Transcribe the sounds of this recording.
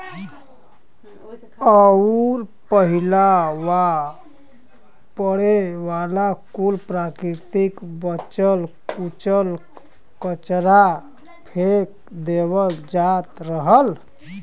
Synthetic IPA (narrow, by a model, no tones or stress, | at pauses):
əɾpəɦilawa | pəɽeʋalakulpɾakɾiɾt̪ikbət͡ʃəl | ut͡ʃəl | kət͡ʃɾa | pʰek̚ | d̪eβəd͡ʒat̪ɾəɦəl